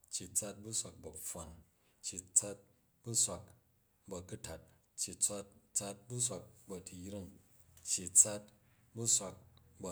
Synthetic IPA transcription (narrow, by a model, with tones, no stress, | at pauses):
t͡ʃːi˨t͡sa˧t̚bu˦sʷa˧k̚bɐ˨ɸa˨n | t͡ʃːi˨t͡sa˦t̚ | bu˦sʷa˧k̚ | bɐ˧ku˦ta˨t̚ | t͡ʃːi˨t͡sʷa˦tt͡sa˧t̚bu˦sʷa˧k̚bɐ˧ti˨jɾi˦˨ŋt͡ʃːi˨t͡sa˦tbu˦sʷa˧k̚bɐ˧